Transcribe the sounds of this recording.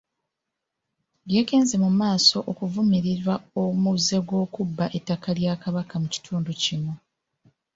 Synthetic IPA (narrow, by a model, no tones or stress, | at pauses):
ɡje̞ːke̞ːnze̞mumaːso̞ʔokuvumiɾiɾwaomuze̞ɡwo̞ːkubːaʔe̞tːakaljaːkaβakamuci̥tʰuːnducimu